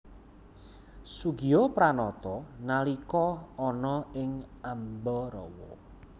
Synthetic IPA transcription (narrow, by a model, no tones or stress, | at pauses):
suɡiɔpɾanɔt̪ɔnalikɔɔnɔɪŋambɔɾɔ̰wɔ̰